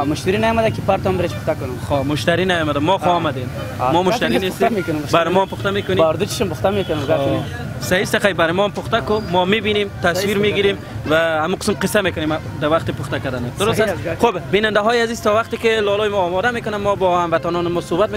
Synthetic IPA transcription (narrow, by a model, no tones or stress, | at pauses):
mʊʃt̪iɾinajɔmad̪akipaɾt̪ɔmbɪɾet͡ʃpʊχt̪akʊnʊmχomʊʃt̪aɾinajɔmad̪amɔxoɔmad̪em | mɔmʊʃt̪aɾinest̪mekʊnmbaɾɪmɔampʊχt̪amekʊneaɾd̪ut͡ʃi̥ʃɔmpʊχt̪amekʊnʊmɡa | saist̪axajbaɾɪmɔampʊχt̪akʊmɔmebinemt̪aswiɾmeɡiɾem | vahamuqɪ̥smqɪsːamekʊnem | d̪awaqt̪ɪpʊχt̪akad̪and̪ad̪ʊɾʊsasxobbinand̪aɦɔjazizt̪ɔwaqt̪ɪkɪlɔlɔjmɔːmɔd̪amekʊnamːɔbɔhamvat̪anɔnɪmɔsobat̪̚me